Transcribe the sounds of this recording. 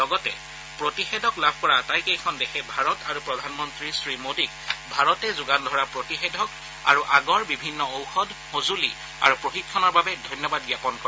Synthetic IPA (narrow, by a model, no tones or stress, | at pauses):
lɔɡɔtɛ | pɹotixedʱɔklabʱkɔɹatajkejkʰɔndɛxʰɛbʱaɹɔtaɹupɹɔdʱanmɔntɹisɹimodikbʱaɹɔtɛzʊɡandʱɔɹapɹotixedʱɔk | a̰ɹuʔaɡɔɹbibʱinːɔowxɔdxozuli | a̰ɹupɹoxit̚kʰːɔnɔɹbabɛdʱɔjnjɔbadɡjapɔnkɔɹɛ